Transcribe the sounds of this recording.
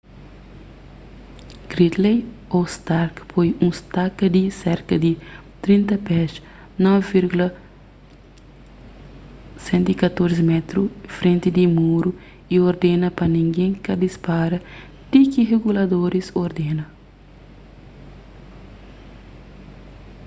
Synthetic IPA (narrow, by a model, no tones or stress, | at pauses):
ɡ̥ɾit̪lej | ost̪aɾkpʰojũst̪akɐd̪iseɾkɐd̪it̪ɾĩnt̪ɐpɛʃ | nɔvviɾɡulɐ | sẽnt̪ikɐt̪oɾzimɛt̪ɾufɾẽnt̪id̪imuɾu | ioɾd̪enɐpɐnĩŋɡẽŋkɐd̪ispaɾɐ | t̪ikiɦeɡulɐd̪oɾisoɾd̪enɐ